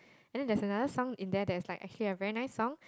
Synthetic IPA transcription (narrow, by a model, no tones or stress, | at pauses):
ɛ̃ndɛ̃ndɛsənadəsɔ̃ŋĩndɛdɛɪslaɪkʔɛ̰kt͡ʃuəliəvɛɹinaɪsːɔ̃ŋ